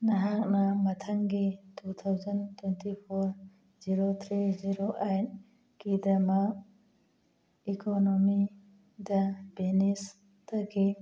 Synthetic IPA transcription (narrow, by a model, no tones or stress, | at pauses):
naɦak̚nɐmɐtʰaŋɡitut̪ʰawzɐntwentipʰoɾ | ziɾot̪ʰɾiziɾoʔajn | kidɐmak̚ | ikʰonomi | dɐbenis | tɐɡi